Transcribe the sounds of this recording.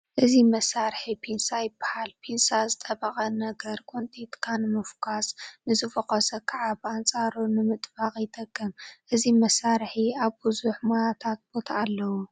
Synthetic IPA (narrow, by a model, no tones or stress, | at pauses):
ʔɨzimɐsaɾħipʰinsajɪbːḁhalpʰinsazɨt̪ʼɐβɐχʼɐnɐɡɐɾkʼont̪ʼit̪kʰanɨmɨfkʰasnɨzɨfɐkɐsɐkʰaʕaβant͡sʼaɾunɨmɨt̪ʼbaχʼjɪt̪ʼɐɡːɐmʔɨzimɐsaɾħiaβbɨzuħmojat̪ʰat̪̚b̥o̞t̪ʰaːlːɐwu